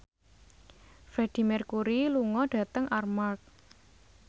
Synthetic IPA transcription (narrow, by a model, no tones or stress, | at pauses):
fɾɛd̥i̤mɛrkuɾiluŋɔɖ̥ä̤t̪əŋʔarmark̚